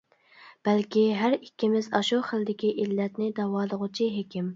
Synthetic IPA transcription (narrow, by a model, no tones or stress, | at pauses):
b̥ɛlkʲiɦæɾikʲːimɪzɑ̰ʃuχəld̪ɪkʲiʔilːɛt̪nɪd̪ɑwɑːlˠəʁʊt͡ʃʰiɦekʲim